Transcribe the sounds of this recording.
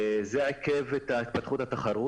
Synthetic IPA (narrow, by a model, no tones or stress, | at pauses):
zeakevet̪ait̪̚pat̪χut̪hat̪aχaɾu